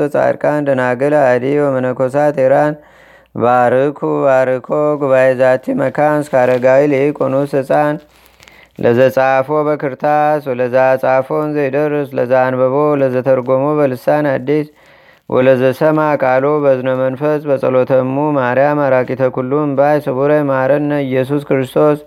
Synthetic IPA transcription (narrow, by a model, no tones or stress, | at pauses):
ət͡sʼa̰ɾkʼand̪ənaɡəlad̪iwɔmənəkos̬at̪eɾan | baɾɨkʰuβaɾɨkʰoɡuβajezat̪ʰiməkʰanskʰaɾəɡailikʼonusɨsʼan | lʔəzət͡sʼafobəkʰɨɾt̪ʰaswɔləzasʼafo̞nzejd̪əɾəsləzanbəβoləzət̪ʰəɾɡomobəlɨsanad̪ːis | wʔɔ̰ləzəsəmakʼalobəznomənfəsʼbəsʼəlo̞t̪ʰəmːumaɾjamaɾakʼit̪ʰəkulːumbajsɨβuɾəmaɾənːəɨjːɛs̬uskɾɨst̪ʰo̞s